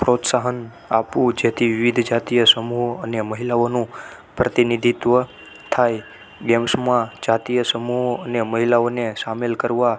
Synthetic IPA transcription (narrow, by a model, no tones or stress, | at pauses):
pɾot̪saɦən | apũd͡ʒet̪ʰiʋɪʋid̪ʱd͡ʒat̪ijəsəmuɦoəneməɦilaonũ | pɾət̪inid̪ʱit̪ʋə | t̪ʰaj | ɡɛmsmãd͡ʒat̪ijəsəmuɦoəneməɦilaonesamelkəɾʋa